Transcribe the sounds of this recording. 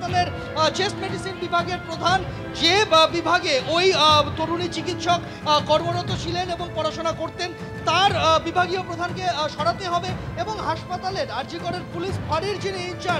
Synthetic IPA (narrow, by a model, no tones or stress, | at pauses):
t̪aleɾ | t͡ɕesʈmeɖisinbibʱaɡeɾpɾod̪ʱan | d͡ʑebibʱaɡeʔojt̪oɾunit͡ɕikit̪ʃok | kɔɾmonot̪ːot͡ɕʰileneboŋpɔɾaʃonakoɾt̪en | t̪aɾbibʱaɡiopɾod̪ʱankeʃɔɽat̪eɦɔbeeboŋɦaʃpat̪aleɾaɾd͡ʑikoɾeɾpuliʃfaɽiɾd͡ʑiniint͡ɕa